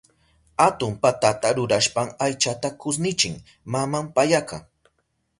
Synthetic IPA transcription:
at̪ʊmpat̪at̪aɾʊɾaʃpaŋajt͡ʃat̪akʊs̬nɪt͡ʃɪŋ | mamampajakaŋ

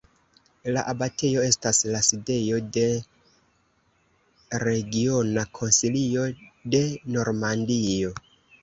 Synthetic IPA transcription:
laʔabatʰe̞jo̞e̞staslaside̞jo̞de̞ | ɾe̞ɡio̞nakʰo̞nsilio̞de̞no̞ɾmandijo̞

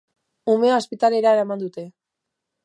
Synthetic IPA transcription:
ume̞ospit̪ale̞ɾaeɾamand̪ut̪e̞

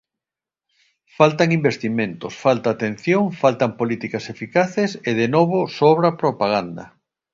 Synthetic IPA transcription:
falt̪aŋimbest̪imẽnt̪osfalt̪aːt̪en̟θjoŋfalt̪ampolit̪ikasefikaθeseð̞enoβ̞osoβɾapɾopaɣand̪ɐ̰

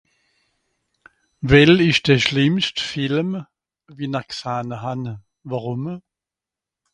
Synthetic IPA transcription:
vɛlɪʃd̥ɛɐʃlɪmstfɪlm | viːnaksaːnəɦanə | vaʁʊm

